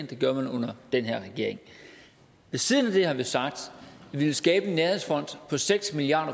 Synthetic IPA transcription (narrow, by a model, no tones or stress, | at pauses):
nd̥e̝ɡ̥ɶɐmænɔ̽n̰ɐd̥enɦeɐ̰ʁɛɡ̥e̝ɐ̰e̝ŋ | ʋe̝siːð̞ˠənæd̥e̝hɑ̈ʋisɑ̈ɡ̥̚d̥ʋilsɡ̥ɛːb̥ənːæɐheðˠsfɒ̽n̰d̥pʰɒ̽seɡ̥smiliɑ̰̈ːd̥ɐ